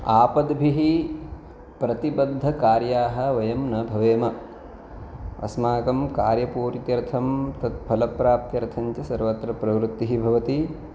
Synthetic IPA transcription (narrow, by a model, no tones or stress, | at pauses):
aːpɐd̪bʱiɦi | pɾɐt̪ibɐd̪ʱːɐkaːɾjaːɦɐ̆ʋɐjɐmnɐbʱɐʋeːmɐ | ɐ̰smaːkɐmkaːɾjɐpuːɾt̪jɐɾt̪ʰɐmt̪ɐt̪̚pʰɐlɐpɾaːp̚t̪jɐɾɐt̪ʰɐɲt͡ʃɐsɐɾʋɐt̪ɾɐpɾɐʋɾut̪ːiɦibʱɐʋɐt̪i